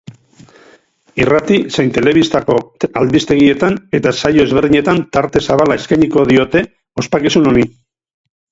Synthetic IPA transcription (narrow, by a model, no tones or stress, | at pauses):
irat̪isejnt̪e̞le̞β̞ist̪ako̞ald̪ist̪e̞ɣ̞ie̞t̪ane̞t̪asajo̞ezβe̞rðiɲe̞t̪ant̪aɾt̪e̞saβalae̞skajɲiko̞ðio̞t̪e̞ | o̞spakisuno̞ni